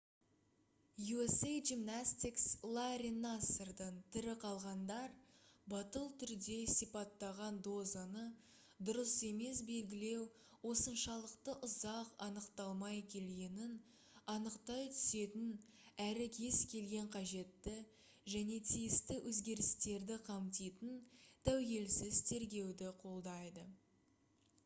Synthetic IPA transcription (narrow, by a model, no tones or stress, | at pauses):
juesejʒimnasʲt̪ikslˠaɾʲinasərd̪əɴt̪ʰʏɾɪqʰɑlˠʁɑnd̪ɑɾbɑt̪əlˠt̪ʰʏɾd̪e̞sijpɑt̪ːɑʁɑnd̪o̞zanə | d̪ʊɾəse̞me̞sbe̞lɡʲɪle̞w | wo̞sənʃɑlˠəqt̪əʔʊzɑqɑnəqt̪ɑlˠmɑjkʲʰe̞lɡʲe̞nɪn | ɑnəqt̪ɑjt̪ʰʏ̥se̞t̪ɪn | æɾɪkʲʰe̞skʲʰe̞lɡʲe̞ɴqʰɑʒe̞t̪ːɪ | ʒæne̞t̪ʰijɪst̪ɪwʔɵzɡʲe̞ɾɪst̪e̞ɾd̪ɪqʰɑmt̪ijt̪ənt̪ʰæwɡʲe̞lsɪzt̪ʰe̞ɾɡʲe̞wd̪ɪqʰo̞lˠd̪ɑjd̪ə